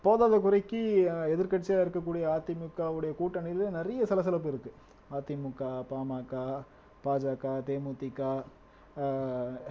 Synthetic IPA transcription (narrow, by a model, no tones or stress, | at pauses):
poːðaːðɐkʊrɐɪkːiɛðɪɾkɐʈt͡ʃːɐjaːɪɾɯkːɐk̬ːuːɽɪjɐaːt̪ːɪmʊkːaːʋɯɽɐjɐkuːʈːɐnɪlnɪrɐjɐsɐlɐsɐlɐp̬ːɯɪɾɯkːɯ | aːt̪ːɪmʊkːaːpaːmaːkːaː | paːd͡ʒaːkaːt̪eːmuːt̪ɪkːaː